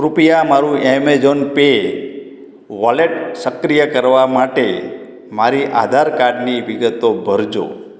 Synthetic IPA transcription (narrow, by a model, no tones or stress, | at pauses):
ɾupjamaɾũɛmed͡ʒonpe | ʋaleʈsəkɾijəkəɾʋamaʈe | maɾiʔa̰d̪ʱaɾkaɾɖniʋiɡət̪obʱəɾd͡ʒo̰